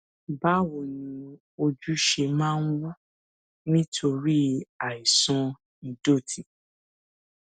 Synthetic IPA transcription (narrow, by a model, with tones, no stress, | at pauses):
ba˦wo˨nĩ˨˧ | o˧d͡ʒu˦ʃe˧mãː˦n̩˦wu˦ | nĩ˦tʰo˧ɾi˦a˨i˨sɔ̃˧ | nĩ˨do˦˨tʰi˨